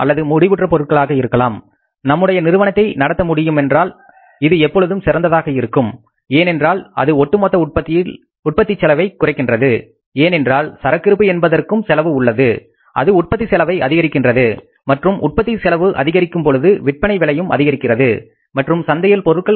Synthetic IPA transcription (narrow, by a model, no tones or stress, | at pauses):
ʔɐ̰lːɐðɯmʊɽɪʋɯʈrɐpɔɾɯʈ̚kɐɭaːɣɐɪɾɯkːɐlaːm | nɐmːɯɽɐjɐnɪɾɯʋɐnɐt̪ːɐɪnɐɽɐt̪ːɐmʊɽɪjɯmɛndraːl | ɪðɯɛpːɔɭɯðɯmsɪɾɐnd̪ɐðaːɣɐɪɾɯkːɯm | eːnɛndraːlɐ̰ðɯɔʈːɯmɔːt̪ːɐpɐ | ʊʈ̚pɐt̪ːɪt͡ʃːɛlɐʋɐɪkːʊrɐɪkːɪndrɐðɯ | eːnɛndraːlsɐɾɐkːɪɾɯp̬ːɯɛnbɐðɐrkɯmsɛlɐʋɯʊɭːɐðɯ | ʔɐ̰ðɯʊʈ̚pɐt̪ːisɛlɐʋɐɪʔɐðɪɣɐɾɪkːɪndrɐðɯ | mɐʈrɯmʔʊ̰ʈ̚pɐt̪ːisɛlɐʋɯʔɐ̰ðɪɣɐɾɪkːɯmpɔɻɯðɯʋɪʈ̚pɐɳɐɪʋɛlɐjɯmʔɐ̰ðɪɣɐɾɪkːɪrɐðɯ | mɐʈrɯmsɐnd̪ɐjɐlpɔɾɯʈ̚kɐɭ